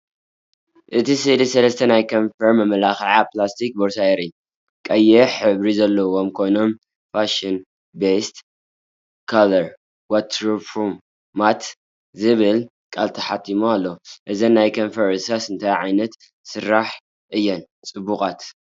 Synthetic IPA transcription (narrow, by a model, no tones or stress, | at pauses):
ʔɨt̪ʰisɨlisɐlɐst̪ʰɐnajkʰonfɐɾmɐmɐlaxʕaplast̪ʰik̚boɾsajeɾi | kʼɐjːɛħɨβɾizɐlːɐwo̞mkʰo̞jno̞m | faʃɨn | best̪ | kʰalɐɾ | wat̪ʰɾfɾumː | at̪ | zɨβɨl | kʼalt̪ʰɐħat̪ʰːimualːoʔɨzɐnːajkʰɐnfɐɾɨsasɨnt̪ʰajʕajnɐt̪ | sɨɾːaħ | ʔɨjːɛn | t͡sʼɨbːukʼat̪